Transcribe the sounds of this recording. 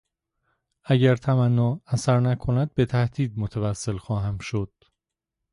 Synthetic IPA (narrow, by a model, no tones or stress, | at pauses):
æɟæɾt̪ʰæmænːɒːæsæɾnækʰo̞næd̪̚be̞t̪ʰæhd̪̥iːd̪̚mot̪ʰævæsːe̞lxɒːɦæmʃo̞d̪̥